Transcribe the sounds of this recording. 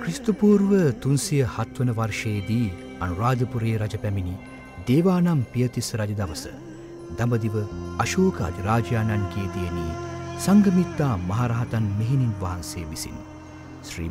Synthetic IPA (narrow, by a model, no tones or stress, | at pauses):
kɾist̪upuːɾʋət̪unsijəhɐt̪ʋənəʋɐrʂejd̪iː | ɐnuɾaːd̪əpuɾeːɾad͡ʒɐpæmini | d̪eːʋaːnampijət̪isɾɐd͡ʒɐd̪ɐʋəsə̰ | d̪ɐmbəd̪iʋəɐʃoːkəɐ̰d̪iɾaːd͡ʒjaːnankeːt̪ijəniːsɐŋɡɐmit̪ːaːmɐɦaɾaɦat̪anmeɦininʋaɦanseːʋisḭn | ʃɾḭː